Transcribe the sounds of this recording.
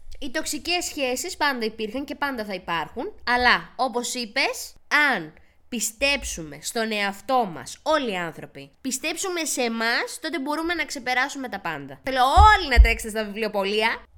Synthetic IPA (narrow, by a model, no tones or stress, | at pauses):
it̪o̞ksice̞sçe̞sispɐnd̪ɐipiɾxɐɲce̞pɐnd̪ɐθɐipɐɾxunɐlɐo̞po̞sipe̞sɐn | pist̪e̞psume̞st̪o̞ne̞ɐft̪o̞mɐ̰so̞liɐnθɾo̞pipist̪e̞psume̞se̞mɐst̪o̞t̪ebo̞ɾume̞nɐkse̞pe̞ɾɐsume̞t̪ɐpɐ̰nd̪ɐθelo̞olinɐt̪ɾekset̪est̪ɐvivlio̞po̞liɐ